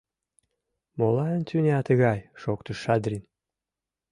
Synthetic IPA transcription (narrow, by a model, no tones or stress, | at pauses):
molˠɑənt̪ʰʲynʲæt̪əɣɑjʃokt̪ə̆ʃːɑd̪rʲin